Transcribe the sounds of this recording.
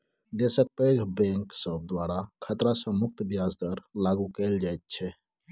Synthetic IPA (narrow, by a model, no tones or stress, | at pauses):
d̪esək̚pəɡʱbɛ̃ŋksəb̚d̪waɾakʰət̪ɾasə̃mʊk̚t̪bijazd̪əɾlaɡukeld͡ʒajt̪̚t͡ʃʰɛ